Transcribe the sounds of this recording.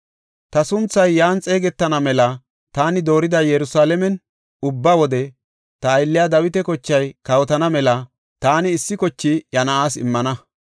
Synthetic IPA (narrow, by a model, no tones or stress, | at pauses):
t̪ɐsʊnt͡sːɐjːaːnt͡sʼe̞ːɡɛt̪ːɐnɐmɛlɐ | t̪aːnɪd̪o̞ːɾɪd̪ɐjɛɾʊsaːlɛmɛn | ʊbːɐwɔd̪ɛ | t̪ɐːjlːɪjad̪ɐwɪt̪ɛkɔt͡ʃːɐjkɐwɔt̪ɐnɐmɛlɐ | t̪aːnɪːsːɪkɔt͡ʃːɪjɐnɐaːsɪ̰mːɐnɐ